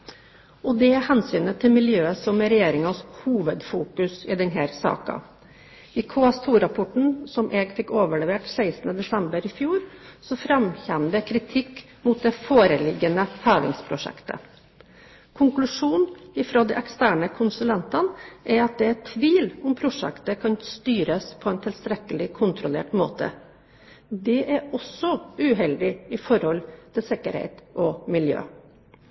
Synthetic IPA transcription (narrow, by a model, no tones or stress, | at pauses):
ɔd̪ɛhɛnsyːnət̪ʰɪlmɪljøːəsɔmɛɾɛjeːɾɪŋɑshuːʋəd̪fuːkʉsɪd̪ɛnɦæːɾsɑ̰ːkɑ̰ | ɪkʰʊɑst̪ʰuːɾɑpʰʊʈɳ̩sɔmʔɛːɡfɪkːoːʋəɭɛʋeːʈsæɪsn̩əd̪ɛsɛmbəɾɪfjuːɾsɔfɾɑmçɛnd̪əkʰɾɪt̪ʰɪkː | muːt̪̚d̪ɛfoːɾəlɪɡːənəfæːʋ̪ɪ̰ŋspʰɾʊʂɛ̰kt̪ə̰ | kʰʊŋklʉʂuːnɪfɾoːd̪ɛʔɛkst̪æːɳəkʰʊnsʉlɛnt̪ɑnʔæɾɑt̪̚d̪ɛɛt̪ʰʋiːlʊmpʰɾʊʂɛ̰kt̪əkʰɑnst̪yːɾəspʰɔɛːnt̪ʰɪlst̪ɾɛkːəlɪkʰʊnt̪ʰɾʊlḛːʈmoːt̪ə̰ | d̪ɛʔæɾɔsɔʉɦɛld̪ɪɪfɔɾhɔlt̪ʰɪlsɪkːəɾhḛɪt̪ʔɔmɪljø̰ː